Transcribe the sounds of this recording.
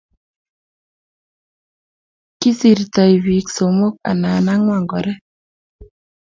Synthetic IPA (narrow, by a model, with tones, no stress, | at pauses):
ki˦si˨ɾta˨i˨βi˨kso˨mo˦ka̰˨na˨na˦ŋwa˨ŋɡɔ˨ɾɛ˦